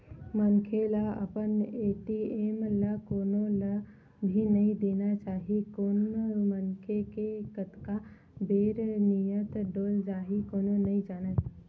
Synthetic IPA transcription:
mənkʰeləə̰pəneːʈieːmləkoːnolə | bʱinəĩd̪eːnat͡ʃaːɦikoːnmənkʰekekət̪ka | beːɾnijət̪ɖoːld͡ʒaːɦikoːnonəĩd͡ʒaːnət̪

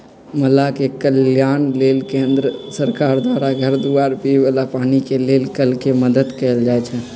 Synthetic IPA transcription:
məlakekəljanlelkẽnd̪ɾəsəɾkaɾd̪waɾaɡʱəɾd̪uaɾpibalapanikelelkəlkeməd̪əd̪kəeld͡ʒajt͡ʃʰɛ

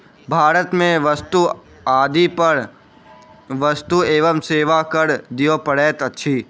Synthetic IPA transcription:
bʱaːɾət̪mẽʋəst̪u | aːd̪ipəɾ | ʋəst̪ueːʋəmseːʋakəɾd̪ijopəɽeːt̪ətːʃʰiː

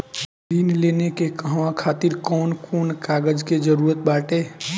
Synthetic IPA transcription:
d̪inleːnekekəɦʋãkʰaːt̪iɾkɔːnkʰoːnkaːɡəd͡ʒked͡ʒəɾuːɾət̪̚baːʈeː

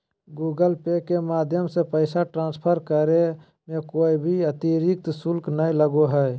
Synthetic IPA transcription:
ɡuːɡəlpekemaːd̪ʱjəmsepəɪsaʈɾãːnspʰəɾkəɾe | mẽkoːibʱiət̪iɾɪk̚t̪sʊlknəiləɡoɦɛː

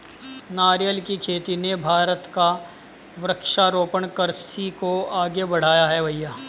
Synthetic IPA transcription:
naːɾjəlkikʰeːt̪inebʱaːɾət̪ka | ʋɾəkʃaɾoːpəɳkəɾsikoaːɡebɐɽ̤aːjaɦɛbʱɐjːaː

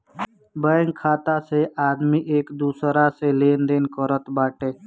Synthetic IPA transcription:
bəːŋkʰːaːt̪aseʔaːd̪miʔeːkd̪uːsɾaseleːnd̪eːnkəɾət̪baːʈeː

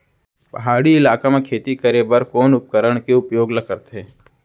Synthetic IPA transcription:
pɐɦaːɽiɪlaːkamẽkʰeːt̪ikəɾeːbəɾkoːnʊp̚kəɾəɽ̃keʊpjoːɡlɐkəɾt̪eː

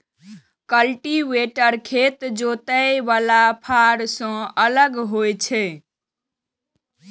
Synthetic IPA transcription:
kəlʈiʋeʈəɾkʰet̪d͡ʒot̪əjbalapʰaɾsə̃ələɡɦojt͡ʃʰe

